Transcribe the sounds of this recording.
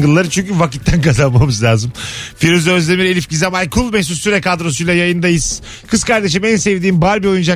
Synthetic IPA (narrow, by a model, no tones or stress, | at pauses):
ɡɯlˠːaɾɯt͡ʃʰyɲcyvaci̥t̪ʰːænkʰazanmamɯzlʲaːzɯmfiɾyzø̞zlʲemiɾe̞lʲifɟizamajkʰulˠmɛçsusːyɾɛkad̪ɾo̞s̬ujlʲˠajajɯnd̪ajɯz̥ | kʰɯskaɾd̪e̞ʃ̬imænsevd̪iːmbaɾbio̞jund͡ʒa